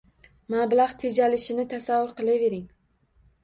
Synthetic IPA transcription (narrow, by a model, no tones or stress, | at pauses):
mablaχt̪ʰed͡ʒalɪʃɪnɪt̪ʰasavːʊɾqʰɨlˠave̞ɾɪŋ